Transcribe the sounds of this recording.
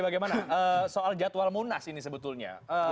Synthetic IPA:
baɡajmanaʔəsoʔald͡ʒat̪walmunasinisəbət̪ʊlɲa̰ə

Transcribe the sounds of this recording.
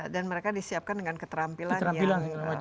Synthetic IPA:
danməɾekadisiap̚kandəŋankət̪əɾampilanɾamjilanla

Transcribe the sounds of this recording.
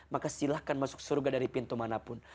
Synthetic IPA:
makasilahkanmasʊ̥k̚surɡadaɾipint̪umanapʊn

